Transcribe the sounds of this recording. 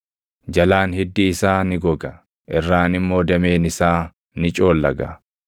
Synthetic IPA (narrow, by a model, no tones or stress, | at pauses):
d͡ʒɐlaːnhɪd̪ːiːɪsaːnɪɡɔɡɐ | ʔɛrːaːnɪmːo̞ːd̪ɐme̞ːnɪsaː | nɪt͡ʃʼo̞ːlːɐɡɐ̰